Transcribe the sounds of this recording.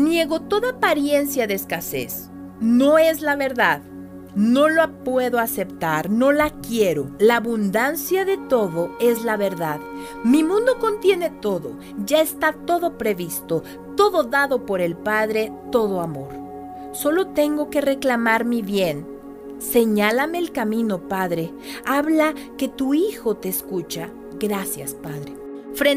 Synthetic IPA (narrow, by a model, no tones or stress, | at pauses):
nje̞ɣo̞t̪o̞ðapaɾje̞nsjaðeːskase̞̰s | no̞e̞zlaβe̞ɾðað | no̞loapwe̞ðoase̞pt̪aɾno̞lakje̞ɾo̞laːβund̪ansjaðe̞t̪o̞ðo̞e̞zlaβe̞ɾðað | mimũnd̪o̞ko̞nt̪je̞ne̞t̪o̞ðo̞̰ | ʝae̞st̪at̪o̞ðo̞pɾe̞βist̪o̞ | t̪o̞ðo̞ðaðo̞po̞ɾe̞lpaðɾe̞t̪o̞ð̞o̞amo̞ɾ | so̞lo̞t̪e̞ŋɡo̞ke̞re̞klamaɾmiβje̞n | se̞ɲalame̞ːlkamĩno̞paðɾe̞ | aβlake̞t̪uixo̞t̪e̞ːskut͡ʃa | ɡɾasja̰spaðɾe | fɾe